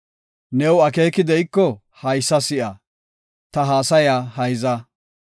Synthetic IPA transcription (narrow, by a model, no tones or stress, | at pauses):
nɛwɐke̞ːkɪd̪ɛjkːɔ | hɐjsːɐsɪʔɐ | t̪ɐɦaːsɐjaːhɐjzɐ